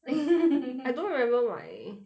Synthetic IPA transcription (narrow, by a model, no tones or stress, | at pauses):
aɪdõʊ̃nɹɪmɛ̃mbə˞wa̰ɪ